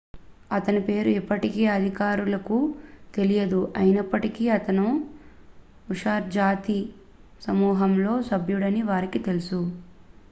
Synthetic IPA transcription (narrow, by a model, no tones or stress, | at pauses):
ɐt̪ɐnipe̞ːɾuipːɐʈikeːɐd̪ʱikaːɾulɐkut̪e̞lijɐd̪uʔɐjinɐpːɐʈikiːɐt̪ɐnu | uʂaːɾd͡ʒaːt̪i | sɐmuːɦɐmlo̞ːsɐbʱjuɽɐniʋaːɾikit̪e̞lusu